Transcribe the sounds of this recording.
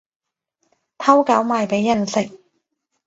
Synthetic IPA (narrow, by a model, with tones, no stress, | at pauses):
t̪ʰɐ˥wka˨˥wmaː˨˧jpe˨˥jːɐ˨nsɪ˨k̚